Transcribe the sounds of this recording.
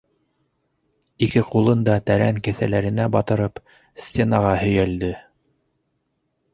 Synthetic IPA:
ikɘqulˠɤnd̪ɑt̪æɾæŋkɘ̆θælæɾɘ̆næbɑt̪ɤ̆ɾɤp | sʲtʲenɑʁɑhɵ̆jæld̪ɘ

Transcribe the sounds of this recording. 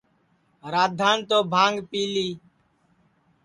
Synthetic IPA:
ɾaːd̪ʱaːnt̪oːbʱaːŋɡpiːliː

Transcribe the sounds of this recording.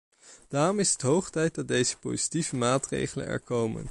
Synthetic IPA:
d̥aːrɔmɪsətɦowχtɛjt̚dɑd̚dejzə̥po̰wzi̥tivəmaːtrḛjχələ̰nɛ̰ɹkowmə̰n

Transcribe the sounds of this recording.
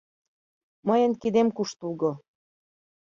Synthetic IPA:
məjənkid̪emkuʃt̪ulɣo

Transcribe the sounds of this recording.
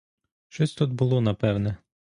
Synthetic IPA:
ʃt͡ʃɔsʲt̪ud̪̚bʊlˠɔnɐpɛwnɛ

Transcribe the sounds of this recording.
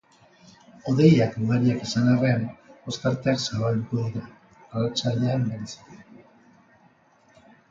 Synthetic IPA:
o̞ðe̞jakuɣaɾiakesanare̞ano̞skaɾt̪eaksaβald̪uko̞ðiɾa | aɾat͡saʎeambeɾesi̥te

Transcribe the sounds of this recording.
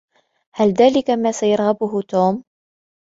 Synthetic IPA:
halðaːlɪkamaːsajɑɾˤɣabʊɦʊt̪oːm

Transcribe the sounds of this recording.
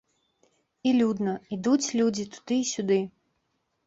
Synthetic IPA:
ilʲud̪nɐid̪ut͡sʲlʲud͡zʲit̪u̥d̪̥ɨisʲud̪ɨ

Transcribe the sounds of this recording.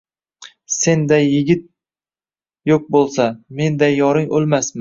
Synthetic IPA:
se̞nd̪ajːɪɡʲɪt̪̚ | jok̚bolˠsame̞nd̪ajːɒɾɪŋolˠmasmɪ

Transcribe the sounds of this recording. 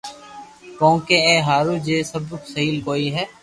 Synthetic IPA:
kõːkẽẽːɦaːɾuːd͡ʒeːsəbɾʊksəɦiːlkoːiɦɛː

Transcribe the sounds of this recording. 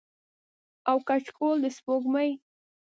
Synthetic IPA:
awkat͡ʃkold̪əspoɡməj

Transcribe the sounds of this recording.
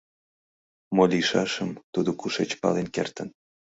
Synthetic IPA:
molʲiʃɑʃəmt̪ud̪okuʃet͡ɕpɑ̰lenkert̪ən

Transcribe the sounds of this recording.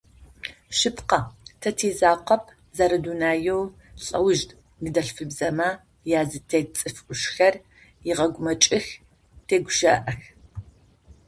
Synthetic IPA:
ʃɨpqɐtʰɐtʰiːzaːqɐpʰ | zaɾɨduːnaːjɛw | ɕʼɐwʊʒdʼ | nɨdɐɬfɨbzɐmɐ | jaːzɨtʰeːt͡sʼɨfʔʷʊʃxɐr | jɪʁɐɡʷʊmɐt͡ʃʼɪx | tʰeːɡʷʒɐ̰ːʔɐx

